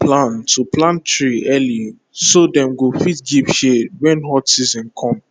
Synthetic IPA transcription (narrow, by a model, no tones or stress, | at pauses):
plãntʰuplãntɹiʔɛli | sodɛ̃mɡofitɡivʃewɛ̃nɦɔtsizɔ̃nkʰɔ̃m